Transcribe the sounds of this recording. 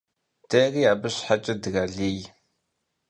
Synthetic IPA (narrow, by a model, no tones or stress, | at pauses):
d̥ɐriːaːbɨɕħat͡ʃʼɐdɣɐɮiːj